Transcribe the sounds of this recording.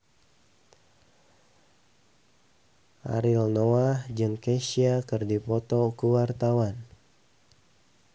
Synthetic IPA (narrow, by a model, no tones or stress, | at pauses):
ʔa̰ɾilnoahd͡ʒɨŋkeʃiakɨrdipɔt̪ɔkəwart̪awan